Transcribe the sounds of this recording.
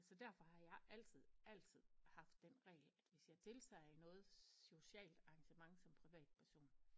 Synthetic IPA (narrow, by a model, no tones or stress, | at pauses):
sɒ̽d̥æɐ̰fɒ̽hɑ̈jɑ̈ɪʔæl̰t͡sʰið̞̰ˠæl̰t͡sʰið̞̰ˠhɑ̈fd̥ːenʁɛ̰ɪːlæd̥ʋe̝sjɑ̈ɪt͡sʰe̝lt͡sʰɛ̰ːinɔ̽ːð̞̩ˠso̝ɕɛ̰ːld̥ɑ̈ŋɕəmɑ̈ŋsɒ̽mpʰʁiʋɛ̰ːd̥̚pʰæɐso̝̰ːn